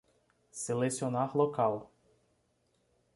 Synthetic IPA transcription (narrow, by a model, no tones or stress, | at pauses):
sɪlˠɛsʲɔnaxlˠɔkalˠ